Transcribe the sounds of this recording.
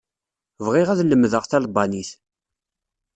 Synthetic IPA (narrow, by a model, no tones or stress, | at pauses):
vʁɪʁæðləmːðəʁθælbɑniθ